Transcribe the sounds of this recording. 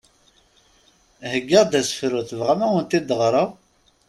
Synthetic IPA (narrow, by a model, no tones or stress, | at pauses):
həɡːəʁd̪æsə̥fɾuθvʁamæwənt̪id̪əʁɾˤə